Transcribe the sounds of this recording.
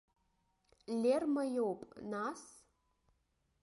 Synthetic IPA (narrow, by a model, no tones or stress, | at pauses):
lʲermɐjowpʼnas